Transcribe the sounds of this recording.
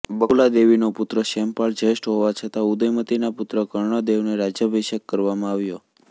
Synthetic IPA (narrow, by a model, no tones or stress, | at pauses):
bəlad̪eʋinopʊt̪ɾəʃɛmpaɭd͡ʒəeʃʈɦoʋat͡ʃʰət̪aud̪əjmət̪inapʊt̪ɾəkəɾɳ̃əd̪eʋneɾad͡ʒjəbʱiʃəkːəɾʋamãaʋjo